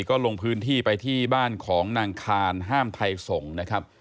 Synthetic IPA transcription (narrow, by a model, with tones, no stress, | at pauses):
kɔː˥˩lo˧ŋpʰɯː˦˥nt̪ʰiː˥˩pa˧jt̪ʰiː˥˩baː˥˩nkʰɔː˩˦ŋnaː˧ŋkʰaː˧nɦaː˥˩mt̪ʰa˧jso˩˦ŋna˦˥kʰa˦˥p̚